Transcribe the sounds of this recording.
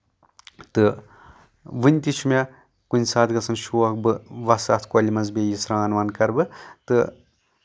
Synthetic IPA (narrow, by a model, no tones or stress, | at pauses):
t̪ɨ | ʋɨnʲt̪ʲit͡ʃʰumʲɐ | kunʲsaːd̪ɡɐt͡sʰɐnʃuːɐk̚bɨʋɐsɐt̪ʰkolʲimɐnzbʲejisɾaːnʋɐnkɐɾbɨt̪ɨ